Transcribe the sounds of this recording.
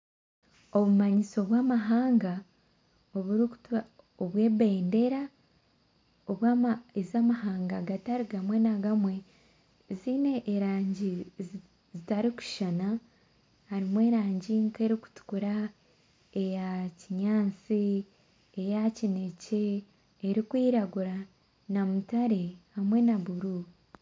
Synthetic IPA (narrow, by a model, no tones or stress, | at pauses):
o̞βumaɲiso̞βwaːmaɦaːŋɡa | oβuɾi | oβwe̞ːβe̞ːnde̞ɾa | oβwaezaːmaɦaːŋɡaɡataɾiɡamwe̞naɡamwe̞ | ziːne̞ʔːɾaːɲɟi | zitaɾiku̥ʃana | haɾimwe̞ːɾaːɲɟiŋke̞ɾiku̥tu̥kuɾa | ejaciɲaːt͡siː | jacine̞ce̞ː | ɾikwiːɾaɡuɾa | namutaɾehamwe̞naβuɾu